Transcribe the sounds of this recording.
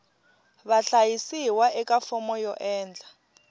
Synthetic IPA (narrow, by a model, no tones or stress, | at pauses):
βaɬajisiwaɛkʼafɔmɔjɔʔɛːnd͡ɮʱa